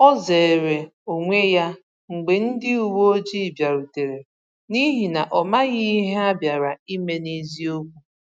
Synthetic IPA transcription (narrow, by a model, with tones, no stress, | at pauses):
ɔ˦ze˨e˨ɾe˨o˨ŋʷe˦ja˦ | ŋ͡m̩˨ɡ͡be˨n̩˦dɪ˦u˨wo˦o˦d͡ʒi˦˨bja˨ɾu˨te˨ɾe˨ | ni˦ɦi˨na˨ʔɔ˨ma˦ɣi˦ɦe˦a˦bja˨ɾa˨i˦me˦ni˦zi˦o˦kʷu˦